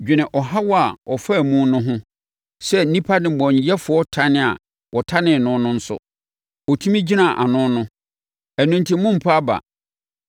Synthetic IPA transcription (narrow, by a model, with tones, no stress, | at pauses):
d͡ʑᶣɪ˨nɪ̃˨ʔɔ˨ɦa˦wɔ˦a˨ɔ˨fa˦˨mũ˦nʊ̃˦ɦʊ̃˦ | sɛ˦n̩˦nĩ˦pʰa˦nɪ̃˨bɔ̃˨n˨jɛ˦fʊ˨ɔ˦tʰa˦nɪ̃˨a̰˨ | wɔ˨tʰa˦nɪ̃˨nʊ̃˦nʊ̃˦n̩˦sʊ̰˦ | ɔ˨tʰũ˦mĩ˦d͡ʑi˦nã˨ʔa̰˨nʊ̃˦nʊ̃˦ | æ˨nũ˦ntʰi˦mũ˦m̩˨pʰa˦ba̰˨